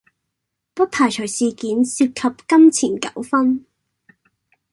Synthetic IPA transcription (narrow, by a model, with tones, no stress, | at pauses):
pɐ˥t̚pʰaː˨˩jt͡ʃʰœ˨˩jsiː˨kiː˨˥nsiː˧p̚kʰɐ˨p̚kɐ˥mt͡sʰiː˨˩nkɐ̰˨˥wfɐ˥n